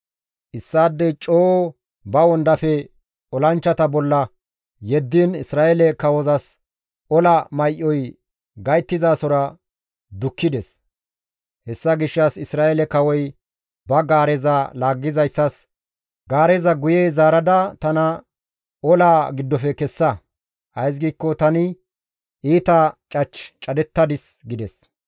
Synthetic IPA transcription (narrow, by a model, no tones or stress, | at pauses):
ʔɪsːaːd̪ːɛt͡ʃʼoː | bɐwɔnd̪ɐfɛ | ɔlɐnt͡ʃːɐt̪ɐbɔlːɐ | jɛd̪ːinɪsɾaːʔɛlɛkɐwɔzɐs | ɔlɐmɐjʔːɔj | ɡɐjt̪ːɪzaːsɔɾɐ | d̪ʊkːɪd̪ɛs | hɛsːɐɡɪʃːɐsɪsɾaːʔɛlɛkɐwɔj | bɐɡaːɾɛzɐlaːɡːɪzɐjsːɐs | ɡaːɾɛzɐɡʊjɛjzaːɾɐd̪ɐt̪ɐnɐ | ɔlaːɡɪd̪ːɔfɛkɛsːɐ | ʔɐjs̬ɡiːkːɔt̪ɐnɪ | ʔiːt̪ɐt͡ʃʼɐt͡ʃːt͡ʃʼɐd̪ɛt̪ːɐd̪ɪs | ɡɪd̪ɛs